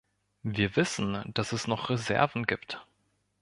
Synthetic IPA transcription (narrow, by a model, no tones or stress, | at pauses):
viːɐvɪsn̩d̥asɛsnɔχʁezɛ̰ɐvn̩ɡiːpt